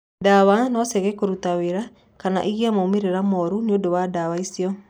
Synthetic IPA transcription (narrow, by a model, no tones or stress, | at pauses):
dawanɔsɛɣɛkoɾutaweɾa | kana̰ʔiɣiamomeɾeɾamɔɾuneodowadawaisiɔ